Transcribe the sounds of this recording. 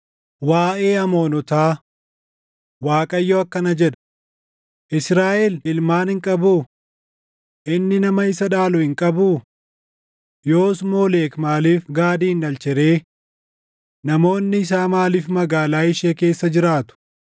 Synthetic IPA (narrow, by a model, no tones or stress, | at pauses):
waːʔe̞ːɐmo̞ːnɔt̪aː | waːkʼɐjːoːɐkːɐnɐd͡ʒɛᶑɐ̥ | ʔɪsɾaːʔɛlɪlmaːnhɪŋkʼɐbuː | ʔɪnːɪnɐmɐɪsɐᶑaːlʊhɪŋkʼɐbuː | jo̞ːsmo̞ːleːkmaːliːfɡaːd̪iːnɐlt͡ʃɛɾe̞ː | nɐmo̞ːnːɪɪs̬aːmaːliːfmɐɡaːlaːɪʃeːke̞ːsːɐd͡ʒɪɾaːt̪ʊ̥